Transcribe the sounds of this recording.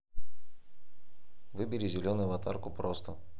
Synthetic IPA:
vɨbʲɪɾʲizʲɪlʲo̞nʊjʊvɐt̪arkʊpɾost̪ə

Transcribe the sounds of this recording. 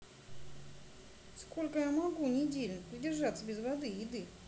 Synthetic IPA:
sko̞lʲkəjamɐɡunʲɪdʲelʲnəpɾʲɪdʲɪrʐat̪səbʲɪzvɐd̪ɨjɪd̪ɨ

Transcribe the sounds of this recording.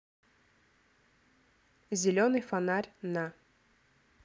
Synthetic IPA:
zʲɪlʲonɨjfanarʲna

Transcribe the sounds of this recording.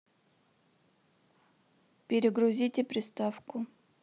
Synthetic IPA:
pʲɪɾʲɪɡɾʊzʲitʲɪpɾʲɪst̪afkʊ

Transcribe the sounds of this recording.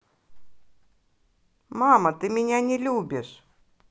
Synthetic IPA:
mɑːmɐt̪ɨmʲɪnʲænʲɛlʲuːbʲɪʃ

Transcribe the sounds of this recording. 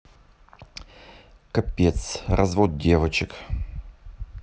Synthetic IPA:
kɐpʲet̪srʔɐzvot̪̚dʲevət͡ɕɪk

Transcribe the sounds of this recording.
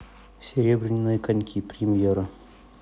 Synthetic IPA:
sʲɪɾʲebɾʲɪnʲɪnːəjəkɐnʲkʲʰipɾʲɪmʲjeɾɨ

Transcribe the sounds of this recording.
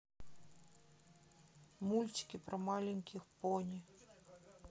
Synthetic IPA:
mulʲt͡sʲi̥kʲipɾɐmalʲɛnʲkʲixpɔnʲi

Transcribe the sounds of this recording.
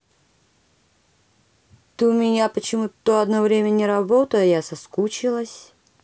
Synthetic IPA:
t̪ɨmʲɪnʲapət͡ɕɪmut̪oɐd̪novɾʲemʲənʲɪɾɐbot̪əjjasɐskut͡ɕɪlˠəsʲ

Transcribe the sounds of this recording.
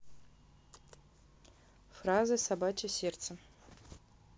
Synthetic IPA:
frazɨsabat͡ʃʲɪsʲert̪sə

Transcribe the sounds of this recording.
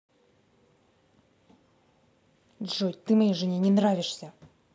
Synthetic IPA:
dʐotʲt̪ɨmɐjejʐɨnʲenʲɪnravʲɪʂsʲɐ

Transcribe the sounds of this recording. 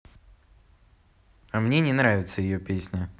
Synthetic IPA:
ɐmnʲenʲɪnɾavʲɪt̪səjɪjopʲesʲnʲə

